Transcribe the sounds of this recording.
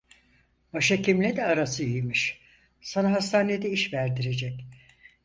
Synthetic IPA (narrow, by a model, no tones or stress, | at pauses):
baʃacʰimlʲɛd̪ɛaɾasɯijmiʃ | sanaɦast̪ʰaːned̪ɛiʃvæɾd̪iɾe̞d͡ʒɛc